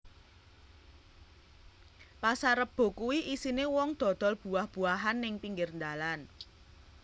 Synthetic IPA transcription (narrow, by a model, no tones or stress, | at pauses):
pasaɾəp̚b̥o̤kuwiʔisinewɔŋd̪̥ɔ̤d̪̥ɔ̤lb̥ṳahb̥ṳaɦanːɪŋpiŋɡɪrnd̪alan